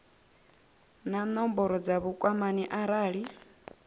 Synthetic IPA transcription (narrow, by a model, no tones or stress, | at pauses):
nanɔmbɔɾɔd͡zaβukʼwamaniʔaɾaːɺi